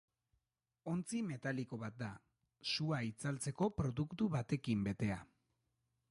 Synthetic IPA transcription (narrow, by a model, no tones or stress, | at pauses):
o̞nt͡sime̞t̪aliko̞βat̪̚d̪a | suait͡salt͡se̞ko̞pɾo̞ðukt̪uβat̪e̞kimbe̞t̪e̞a